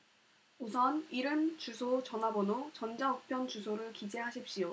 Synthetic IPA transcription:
osʰʌniɾɯmt͡ɕusʰot͡ɕʌnabʌnot͡ɕʌnd͡ʑaʌk̚pʰjʌnt͡ɕusʰoɾɯɭkid͡ʑeɦaɕʰip̚ɕ͈ijo

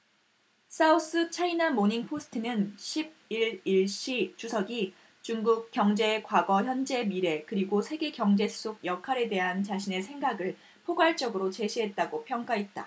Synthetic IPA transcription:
s͈ʰaus͈ɯt͡ɕʰainamoɲiŋpʰosʰɯ̥tʰɯnɯnɕʰib̚iɭiɭɕ͈it͡ɕusʰʌɡi | t͡ɕuŋɡuk̚k͈jʌŋd͡ʑe̞kwaɡʌçjʌnd͡ʑe̞miɾe̞kɯɾiɡosʰe̞ɡe̞kjʌŋd͡ʑe̞sʰu̥s͈ʰoɡ̚jʌkʰaɾe̞de̞ɦant͡ɕaɕʰine̞sʰe̞ŋɡaɡɯɭ | pʰoɡwaɭt͡ɕ͈ʌɡɯɾot͡ɕe̞ɕʰiɦe̞t̚t͈aɡopʰjʌŋk͈aɦe̞t̚t͈a̰

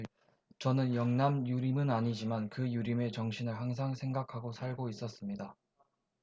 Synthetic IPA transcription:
t͡ɕʌnɯnjʌŋnamjuɾimɯnaɲid͡ʑimankɯjuɾime̞t͡ɕʌŋɕʰinɯɭɦaŋs̬ʰaŋsʰe̞ŋɡakʰaɡosʰaɭɡois͈ʌs͈ɯmɲida

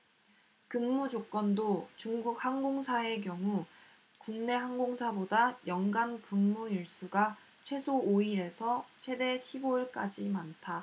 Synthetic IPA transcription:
kɯŋmːud͡ʑok͈wʌndot͡ɕuŋɡuk̚haŋɡoŋsʰae̞k̬jʌŋu | kuŋne̞ɦaŋɡoŋsʰabodajʌŋɡanpuŋmuiɭs͈uɡa | t͡ɕʰwe̞sʰoːiɾe̞sʰʌt͡ɕʰwe̞de̞ɕʰiboiɭk͈ad͡ʑimantʰa

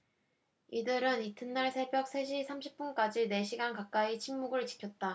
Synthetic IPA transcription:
idɯɾɯnitʰɯnːaɭsʰe̞bjʌk̚s͈ʰe̞ɕ̬ʰisʰamɕʰip̚p͈unk͈ad͡ʑine̞ɕʰiɡankak̚k͈ait͡ɕʰiŋmuɡɯɭt͡ɕi̥kʰjʌt̚t͈a

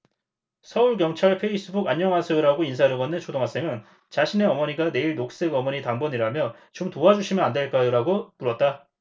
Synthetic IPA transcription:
sʰʌuɭkjʌŋt͡ɕʰaɭpʰe̞is͈ɯbuɡaɲːʌŋɦasʰeoɾaɡoinsʰaɾɯɡʌnːɯnt͡ɕʰodoŋɦas͈e̞ŋɯn | t͡ɕaɕʰine̞ʌmʌɲiɡane̞iɭnok̚s͈e̞ɡʌmʌɲitaŋbʌɲiɾamjʌt͡ɕomtoad͡ʑuɕʰimjʌnandwe̞ɭk͈ajoɾaɡopuɾʌt̚t͈a

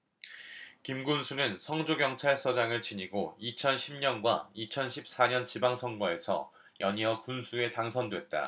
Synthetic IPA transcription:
kimɡunsʰunɯnsʰʌŋd͡ʑoɡjʌŋt͡ɕʰaɭsʰʌd͡ʑaŋɯɭt͡ɕiɲiɡoit͡ɕʰʌnɕʰimɲʌnɡwait͡ɕʰʌnɕʰip̚s͈aɲʌnt͡ɕibaŋsʰʌŋɡwae̞sʰʌ̰ | jʌɲiʌkunsʰue̞taŋsʰʌndwe̞t̚t͈a̰

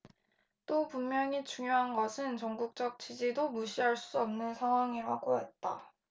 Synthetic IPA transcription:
t͈opummjʌŋit͡ɕuŋjoɦanɡʌsʰɯnt͡ɕʌŋɡuk̚t͡ɕ͈ʌk̚t͡ɕ͈id͡ʑidomuɕʰiɦaɭs͈uʌmnɯnsʰaŋɦwaŋiɾaɡoḛt̚t͈a̰

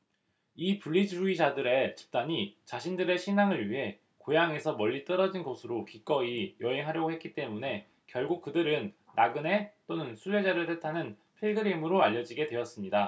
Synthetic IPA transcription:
ipuɭːid͡ʑuid͡ʑadɯɾe̞t͡ɕi̥p̚t͈aɲit͡ɕaɕʰindɯɾe̞ɕʰinaŋɯɭɥiɦe̞ | kojaŋe̞sʰʌmʌʎːit͈ʌɾʌd͡ʑinɡosʰɯɾokik͈ʌijʌɦe̞ŋɦaɾjʌɡoɦe̞t̚k͈it͈e̞mune̞ | kjʌɭɡuk̚k͈ɯdɯɾɯnː | aɡɯne̞t͈onɯnsʰue̞d͡ʑaɾɯɭtʰetʰanɯn | pʰiɭɡɯɾimɯɾoaʎːʌd͡ʑiɡe̞dwe̞ʌs͈ɯmɲida

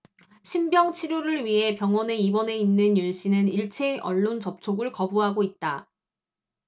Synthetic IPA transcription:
ɕʰimbjʌŋt͡ɕʰiɾjoɾɯɭɥiɦe̞pjʌŋwʌne̞ibʌne̞inːɯnjunɕ͈ʰinɯniɭt͡ɕʰeʔʌɭːont͡ɕʌp̚t͡ɕʰoɡɯɭkʌbuɦaɡoit̚t͈a

